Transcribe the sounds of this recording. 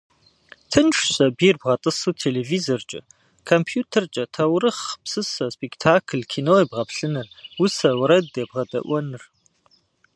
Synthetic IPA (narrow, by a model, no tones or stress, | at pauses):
tʰɨnʈ͡ʂɕɐbiːrbʁɐtʼɨsuːtʰeːlevizort͡ʃʼɐ̰ | kʰompʰjuːtʰɐrt͡ʃʼɐtʰɐwɾɨχpsɨsɐspektʰaːkʰɨlkʰiːnoːibʁɐpɬɨnɨrwʊsɐwɾɐdebʁɐdɐ̰ʔʷɔnɨr